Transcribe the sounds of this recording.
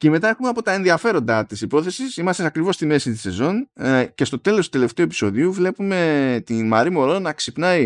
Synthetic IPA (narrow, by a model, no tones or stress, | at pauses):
ce̞me̞t̪ɐe̞xumeɐpo̞t̪ɐenðiɐfe̞ɾo̞nd̪ɐt̪isipo̞θe̞sisimɐst̪eɐkɾivo̞st̪ime̞sit̪i̥se̞̰zo̞nce̞st̪o̞t̪e̞lo̞st̪ut̪ele̞ft̪e̞uep̬i̥so̞ðiuvle̞pume̞t̪inmɐɾimo̞ɾonɐksipnɐi